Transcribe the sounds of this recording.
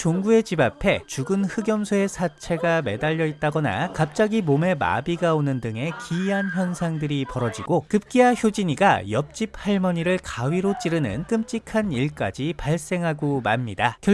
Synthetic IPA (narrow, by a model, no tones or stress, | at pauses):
t͡ɕoŋɡue̞d͡ʑibapʰe̞t͡ɕuɡɯnhɯɡjʌmsʰoe̞sʰat͡ɕʰe̞ɡame̞daʎːʌit̚t͈aɡʌna̰kap̚t͡ɕ͈aɡimome̞ma̰biɡaonɯndɯŋe̞kiiɦançjʌnsʰaŋdɯɾipʌɾʌd͡ʑiɡokɯp̚k͈iɦaçjod͡ʑiɲiɡa̰jʌp̚t͡ɕ͈ip̚ʰhaɭmʌɲiɾɯɭkawiɾot͡ɕ͈iɾɯnɯ̰nk͈ɯmt͡ɕ͈ikʰaniɭk͈ad͡ʑipaɭs͈e̞ŋɦaɡomamɲidakjʌ